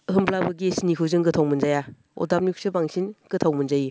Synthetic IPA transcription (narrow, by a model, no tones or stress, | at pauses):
əɦɯmblabɯɡisnikʰuzɯŋɡɯtʰawmɯnzaja | ɔ̰dap̚nuk̚sɯbaŋsinɡ̥ɯtʰawmənzaji